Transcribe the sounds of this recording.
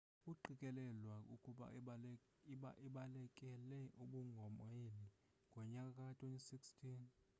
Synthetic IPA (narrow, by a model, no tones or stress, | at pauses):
uǃikʼɛlɛlwaukʼuɓa̰ | ʔiɓalɛkʼɛlɛʔuɓuŋɡʱɔmeli | ŋɡʱɔɲakʼakʼatʰʼwentʼisikstʰʼin